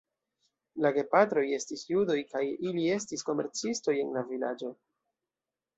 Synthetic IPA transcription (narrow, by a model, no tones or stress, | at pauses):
laɡe̞patɾo̞je̞stisjudo̞jkajilie̞stisko̞me̞ɾt͡sisto̞je̞nlavilad͡ʒo̞